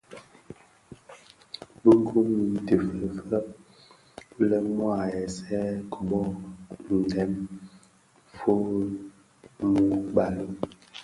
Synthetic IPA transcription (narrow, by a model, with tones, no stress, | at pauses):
bə˦ŋ˦ɡu˦m˨te˨fə˨fə˦ʔ | lɛ˦mwa˨ɛ˨sɛ˦kɔ˨ɓɔ˦n˨dɛ˨˦m | fo˦ | mu˨ba˨lə˦